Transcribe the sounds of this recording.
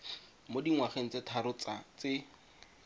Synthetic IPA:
modiŋwaχeŋ̩t͡setʰaɾʊt͡sat͡sɪ

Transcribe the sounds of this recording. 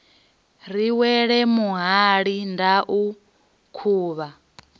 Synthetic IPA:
ɾiwɛɺɛmuɦaɺindaʔu | kʰuːβa

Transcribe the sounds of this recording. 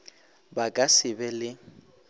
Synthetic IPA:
bakʼasɪbɛlɪ

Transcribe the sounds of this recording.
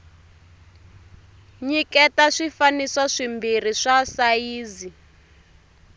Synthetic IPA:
ɲikɛtaʂifanisaʂimbir̤iʂasaiːzi

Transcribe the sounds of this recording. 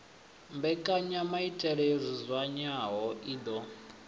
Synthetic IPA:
mbɛkʼaɲamaitʼɛɺɛzʷizʷwaɲaɦɔʔiːd̪ɔ

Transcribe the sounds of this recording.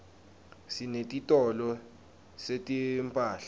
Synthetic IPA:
sinetʼitʼɔlɔ | setʼimpʼaːɬḁ

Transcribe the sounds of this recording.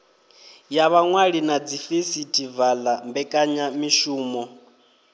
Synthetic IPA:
jaβaŋwaɺinad͡zifesitʰʼivalambɛkʼaɲamiʃuːmɔ

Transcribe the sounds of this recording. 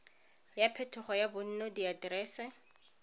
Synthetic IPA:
japʰetʰʊχɔjabʊn̩nɔdiadrɛːsɛ

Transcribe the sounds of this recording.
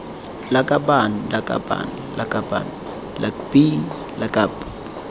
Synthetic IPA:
lakʼabanlakʼa̰ba̰n | lakʼaba̰n | lʔa̰kbi | lakʼap

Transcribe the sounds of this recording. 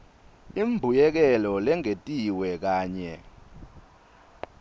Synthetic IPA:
imbʱujɛk̬ɛlɔlɛŋetʼiwɛk̬aːɲɛ

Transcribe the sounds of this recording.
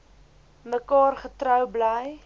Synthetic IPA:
məkɑːrχətrœwbləj

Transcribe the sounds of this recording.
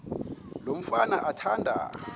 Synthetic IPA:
lom̩fanaʔatʰandʱa̰

